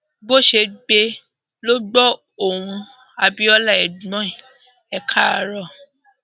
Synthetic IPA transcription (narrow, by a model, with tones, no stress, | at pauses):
bo˦˨ʃe˧ɡ͡be˧ | lo˦ɡ͡bɔ˦ | o˦˨ɾ̃ũ˧ | a˨bi˦ɔ˦la˦˨ɛ˨du˨mɔ̃˦ĩ˨ | ɛ˧kʰa˦˨ɾɔ˦˨